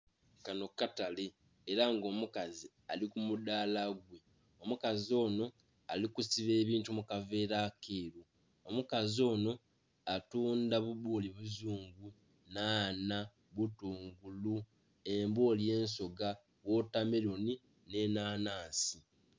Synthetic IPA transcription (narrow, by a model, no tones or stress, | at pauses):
kano̞kataleː | ɾaŋɡo̞ːmukazi | a̰likumudaːlaɡwe̞ | o̞mukazo̞ːno̞ | alikusiβe̞ːβiːntumukave̞ːɾakʰeːɾu | omukazo̞ːno̞ | atuːndaβuβoliβuzuːŋɡu | naːna | βutuːŋɡulu | e̞mboːlje̞ːnso̞ɡa | βwo̞tameɾo̞ni | ne̞naːnaːsi